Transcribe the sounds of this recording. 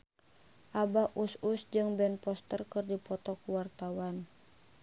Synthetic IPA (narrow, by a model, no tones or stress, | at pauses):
ʔabahʔususd͡ʒɨŋbɛnpɔst̪ərkɨrdipɔt̪ɔkuwart̪awan